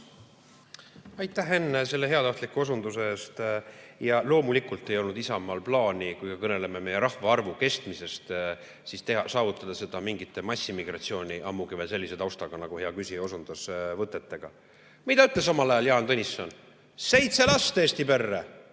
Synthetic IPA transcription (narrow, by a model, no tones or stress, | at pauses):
ɑjt̪ˑːæɦe̞nːese̞lːe̞ɦe̞ɑt̪ɑht̪likːuosund̪useeːst̪jɑlo̞ːmulikult̪ˑːe̞jo̞lnud̪isɑmːɑlplɑːnʲikujkɑkɤne̞le̞meme̞jeɾɑhvɑɑrvuke̞st̪mise̞st̪ | sist̪ehɑsɑːvut̪ːˑɑd̪̥ɑse̞d̪̥ɑmiŋɡit̪ːˑe̞mɑsʲːimiɡ̥rɑt̪sio̞ːnʲiʔɑmːuɡevelse̞lʲːised̪ɑwst̪ɑɡ̥ɑnɑɡ̥uhe̞ɑkysio̞sund̪̥ɑsvɤt̪ːˑet̪ːe̞ɡ̥ɑ | mid̪ɑyt̪ˑles̬ɑmɑlɑjɑljɑːnt̪onʲisːɑn | se̞jt̪se̞lɑst̪eːst̪ipe̞rːe